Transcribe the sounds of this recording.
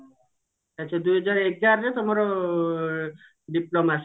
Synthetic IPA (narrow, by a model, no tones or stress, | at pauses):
at͡ʃʰad̪ujɦɔd͡ʒaɾek̚ɡaɾɾet̪omaɾɔ | ɖiplomas